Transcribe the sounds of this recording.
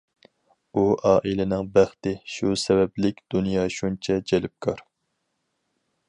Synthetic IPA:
uʔɑːʔilɪnɪŋbæχt̪ɪʃusɛvɛblɪkʲd̪̥unjɑːʃunt͡ʃʰɛd͡ʒɛlɪp̚kʰɑɾ

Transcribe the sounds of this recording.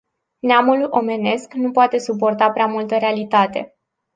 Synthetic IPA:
neamuluʔo̞me̞ne̞sknupoat̪e̞sup̬o̞rt̪apɾeamult̪əɾealit̪at̪e̞

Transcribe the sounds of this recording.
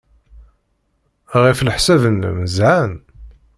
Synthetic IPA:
ʁiflħsævən̰ːməzʕan

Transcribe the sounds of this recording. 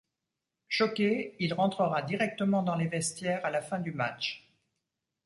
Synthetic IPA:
ʃɔkeilʁɑ̃t̪χəʁad̪iʁɛk̚t̪əmɑ̃d̪ɑ̃levɛst̪jɛʁalafɛ̃d̪ymat͡ʃ

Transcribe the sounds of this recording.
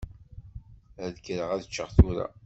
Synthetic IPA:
ðkːɾəʁæðət͡ʃːəʁθuɾæ̰

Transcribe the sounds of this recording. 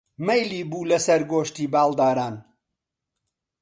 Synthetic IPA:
mejliːbuːlɐsɐɾɡoːʃt̪iːbaːlˠd̪aːɾaːn

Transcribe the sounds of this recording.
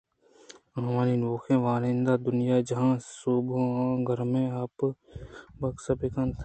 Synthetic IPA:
ɦɐmaːninoːkʰẽːʋaːɾẽːnd̪aːd̪ʊnɪjad͡ʒɐɦãːsuːbõãːɡʱəɾmẽaːp | bɐksɐbekãnt̪ʰː

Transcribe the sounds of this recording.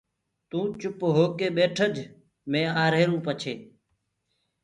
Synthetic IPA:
t̪ũːt͡ʃʊpɦoːkeːɓeːʈʰəd͡ʒ | mẽːaːɾeːɾũːpət͡ʃʰeː

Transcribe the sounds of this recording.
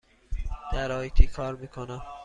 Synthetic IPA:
d̪̥æɾɒːit̪ʰiːkʰɒːɾmiːkʰonæm

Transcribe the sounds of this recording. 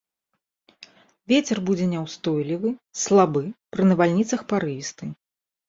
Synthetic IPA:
vʲet͡sʲɛrbud͡zʲɛnʲɛwst̪ɔjlʲivɨslˠabɨpɾɨnɐvalʲnʲit̪sɐxpaɾɨvʲist̪ɨ

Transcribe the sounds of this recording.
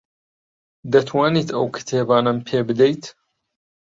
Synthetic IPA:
d̪ɐt̪ʰwaːniːt̪ʰɐwkʰɨ̥t̪ʰebaːnɐmpʰeːbɨd̪ejt̪

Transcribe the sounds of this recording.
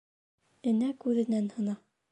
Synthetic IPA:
ɘ̆nækʉðɘ̆nænhɤ̆nɑ

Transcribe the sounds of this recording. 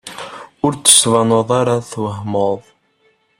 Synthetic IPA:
ʊɾt͡sːə̥svɑnəðˤaɾaθwəhmoðˤ

